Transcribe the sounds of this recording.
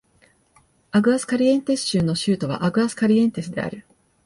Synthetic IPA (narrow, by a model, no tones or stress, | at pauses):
aɡɯ̟asɨ̥kaɾʲiẽ̞nt̪e̞sɨ̥ɕɨːnːoɕɨːt̪o̞β̞a̰ʔaɡɯ̟asɨ̥kaɾʲiẽ̞nt̪e̞sɨd̪e̞̰a̰ɾɯ̟